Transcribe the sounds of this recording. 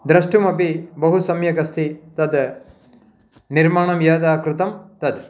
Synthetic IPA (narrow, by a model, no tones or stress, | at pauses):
d̪ɾɐʂʈumɐpibɐɦusɐmjɐkɐst̪ʰit̪ɐd̪ | niɾmaːɳɐmjaːd̪aːkɾut̪ɐmt̪ɐd̪